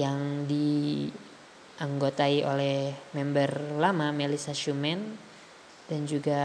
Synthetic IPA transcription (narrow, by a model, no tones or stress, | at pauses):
jaŋdi | ʔaŋɡot̪aiʔolɛmɛmbərlamamɛlisaʃumɛn | d̥and͡ʒuɡa